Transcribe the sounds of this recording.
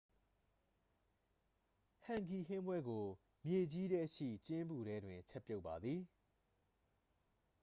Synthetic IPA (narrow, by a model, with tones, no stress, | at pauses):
hã˨ŋki˨ɦɪ̃˦mbwɛ˦ɡo˨ | mje˨d͡ʑi˦ɾɛ˦ʃḭ˦˨t͡ɕɪ̃˦mbu˨ɾɛ˦dwɪ̃˨ɲt͡ɕʰɛ˦pːjo˦ʊpːa˨d̪ði˨